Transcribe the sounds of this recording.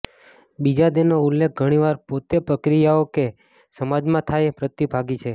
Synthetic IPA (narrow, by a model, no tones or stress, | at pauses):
bid͡ʒad̪enoulːek̚ʰɡʱəɽ̃iʋaɾpot̪epɾəkɾijaoke | səmad͡ʒmãt̪ʰajpɾət̪ːibʱaɡit͡ʃʰe